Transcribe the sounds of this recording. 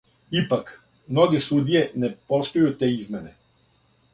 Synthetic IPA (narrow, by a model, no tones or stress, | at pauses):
ipak | mnɔɡisud̪iɛnɛpɔst̪ojot̪ːɛizmɛnɛ